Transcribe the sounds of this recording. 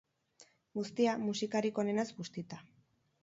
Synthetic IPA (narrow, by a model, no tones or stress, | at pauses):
ɡust̪iamusikaɾiko̞ne̞nazɡust̪it̪a